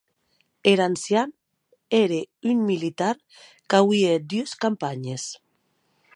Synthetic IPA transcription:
eɾansjan | eɾeyŋmilit̪aɾ | kawied̪yeskampaɲes

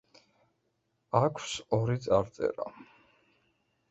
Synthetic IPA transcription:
akʷʰsɔɾit̪sʼaɾt̪sʼɛ̰ɾa

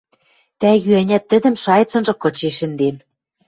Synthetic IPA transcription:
t̪æjyænʲæt̪ːɘ̆d̪ɘ̆mʃɑjt͡sɤ̆nʒɤ̆kɤ̆t͡ɕeʃɘ̆nd̪en

